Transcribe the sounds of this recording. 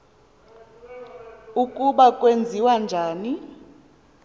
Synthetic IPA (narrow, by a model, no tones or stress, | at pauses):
ukʼuɓakʼwend͡zʱiwand͡ʒʱaːni